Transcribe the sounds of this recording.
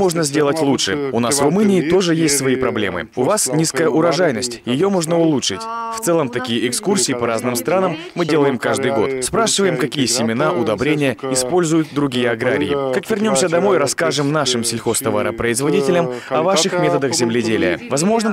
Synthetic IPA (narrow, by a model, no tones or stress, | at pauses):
o̞ʐnəzʲdʲe̞lˠətʲlˠutʂɨʊnasvrʊmɨnʲɪːt̪o̞ʐɨjesʲtʲsvɐipɾɐblʲe̞̰mɨ̰ʊvasnʲiskəjəʔʊɾɐʐajnəsʲtʲjɪjo̞mo̞ʐnəʊlˠutʂɨtʲft̪sɛlˠəmt̪ɐkʲijəʔɪkskursʲɪːpɐɾaznɨmst̪ɾanəmːɨdʲe̞lˠəjɪmkaʐd̪ɨjɡo̞t̪spɾaʂɨvəjɪmkɐkʲijəsʲɪmʲɪnaʔʊd̪ɐbɾʲenʲɪjəɪspo̞lʲzʊjʊt̪̚d̪ɾʊɡʲijəɐɡɾa̰ɾʲɪ̰jɪ̰kakvʲɪrnʲo̞msʲəd̪ɐmo̞jɾɐskaʐɨmnaʂɨmsʲɪlʲxo̞st̪ɐva̰ɾə̰pɾəɪzvɐdʲitʲɪlʲəmɐvaʂɨxmʲe̞t̪əd̪əxzʲɪmlʲɪdʲelʲɪ̰jə̰vɐzmo̞ʐnə